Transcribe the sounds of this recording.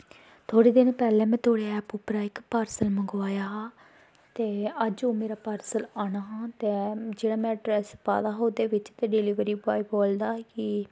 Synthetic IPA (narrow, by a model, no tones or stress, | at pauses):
t̪ʰoːɽiːd̪ɪnpɛːlɛ̃ːmɛ̃ːt̪ʰoːɽeɛːpʊpɾaːɪkpaːɾsəlməŋɡʋaːjaːɦaː | t̪eːəd͡ʒoːmeːɾaːpaːɾsəlaːnaːɦãːt̪eːd͡ʒeːɽaːmɛ̃ːʈɾɛspa̰ːd̪aːɦoːd̪eːʋɪt͡ʃt̪eːɖeliːʋɾiːbaːiboːld̪aːkɪ